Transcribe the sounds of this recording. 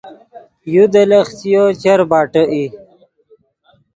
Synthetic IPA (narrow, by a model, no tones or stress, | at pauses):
jud̪ələxt͡sijot͡ɕɐɾbaːʈəʔi